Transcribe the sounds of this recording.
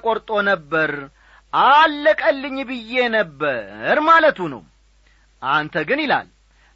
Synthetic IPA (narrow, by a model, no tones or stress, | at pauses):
kʼoɾt̪ʼo̞nəbːəɾ | ʔalːəkʼəlːɨɲːbɨjːe̞nəbːəɾmalət̪unə̰w | ʔant̪ʰəɡɨnɪla̰l